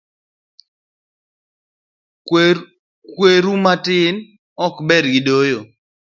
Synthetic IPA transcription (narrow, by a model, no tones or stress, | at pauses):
kweɾumatɪn | ɔkbɛdɡidojo